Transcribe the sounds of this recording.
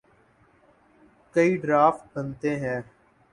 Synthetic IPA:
kəiːɖɾaːfʈ̚bənt̪eːɦɛ̃ː

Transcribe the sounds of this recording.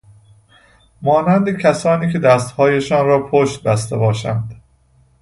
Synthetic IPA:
mɒːnænd̪ecʰæsɒːniːcʰe̞d̪æst̪hɒːjeʃɒːnɾɒːpʰoʃt̪̚bæst̪ebɒːʃænd̪

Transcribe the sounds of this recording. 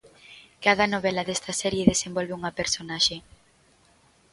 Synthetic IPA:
kað̞ɐnoβ̞ɛlɐðɛst̪ɐsɛɾjeðesembɔlβeuŋɐpeɾsonaʃe

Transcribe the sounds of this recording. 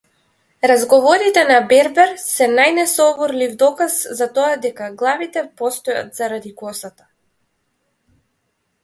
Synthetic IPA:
ɾazɡɔvɔɾit̪ɛnabɛɾbɛɾsɛnajnɛsɔvɔɾlivd̪ɔkaszat̪ɔad̪ɛkaɡlˠavit̪ɛpɔst̪ɔja̰t̪z̥aɾad̪ikɔsat̪ḁ

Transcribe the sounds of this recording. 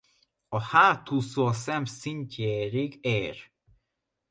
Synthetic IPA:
ɒhaːt̪usoːsɛmsinceːɾiɡeːr

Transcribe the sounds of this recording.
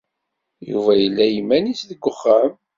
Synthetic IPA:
jṵvæjəlːæjimːænisðəɡʷːəχːæm

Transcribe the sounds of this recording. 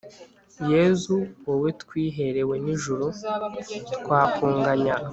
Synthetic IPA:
je̞zuwowetkwiːɦe̞ɾe̞we̞niʒuɾu | tkwaːkuːŋɡaɲa

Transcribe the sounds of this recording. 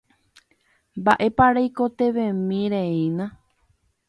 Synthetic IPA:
mbaʔe̞paɾajko̞t̪e̞ʋẽmĩɾeĩnã

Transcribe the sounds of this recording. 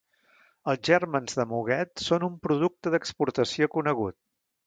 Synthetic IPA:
əlˠzʒɛrmənzðəmuɣɛt̪sonumpɾuðuk̚t̪əðəkspuɾt̪əsiokunəɣ̞ut̪̚

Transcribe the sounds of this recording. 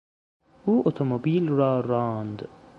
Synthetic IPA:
ʔuːʔot̪ʰomobiːlɾɒːɾɑːnd̪

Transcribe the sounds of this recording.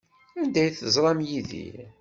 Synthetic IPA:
ænd̪æjθəzˤɾˤɑmjiðḭ

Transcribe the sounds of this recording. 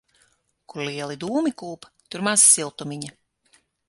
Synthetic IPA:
kuɾlʲiɛlˠid̪uːmikuːpt̪uɾmaːsːilˠt̪umiɲɐ

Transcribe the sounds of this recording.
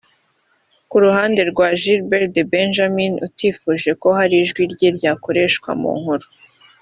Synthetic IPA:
kuɾuhaːnde̞ɾɡwaʒiɾbeɾdebenʒaminṵtiːfuːʒe̞ko̞haɾiʒɡwiɾɟeɾɟaːko̞ɾe̞ːʃkwa̰mṵŋ̥huɾu̥

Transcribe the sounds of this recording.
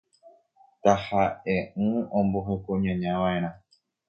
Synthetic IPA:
t̪ahaʔeʔɨ̃õmboɦekoɲãɲãʋãẽɾ̃ã

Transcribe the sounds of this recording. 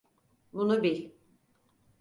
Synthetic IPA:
bunubiɾ

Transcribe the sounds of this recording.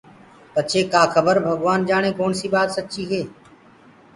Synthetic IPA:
pət͡ʃʰeːkaːkʰəbəɾbʱəɡʋaːnd͡ʒaːɽ̃ẽːkoːɳsiːbaːt̪sət͡ʃiːɦeː

